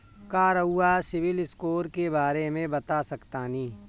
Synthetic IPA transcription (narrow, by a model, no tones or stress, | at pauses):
kaːɾəuasɪʋɪlɪskoːɾkebaːɾemẽbɐt̪asɐkt̪anĩː